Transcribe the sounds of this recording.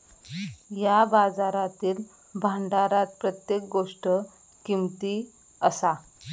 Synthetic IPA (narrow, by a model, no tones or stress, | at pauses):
jabad͡zaɾat̪iːl | bʱaɳɖaɾat̪̚pɾət̪jek̚ɡoʂʈə | kimt̪i | əsa